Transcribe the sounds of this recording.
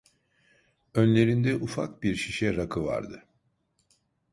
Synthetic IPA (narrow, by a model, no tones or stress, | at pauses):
ønlʲe̞ɾind̪ɛʔufa̰k̚biɾʃiʃɛɾakʰɯva̰ɾd̪ɯ